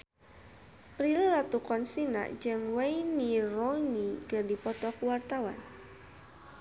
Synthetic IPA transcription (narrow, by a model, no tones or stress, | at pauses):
pɾillat̪ukɔnsina̰ʔd͡ʒɨŋwainirɔnikərdipɔt̪ɔkuwart̪awan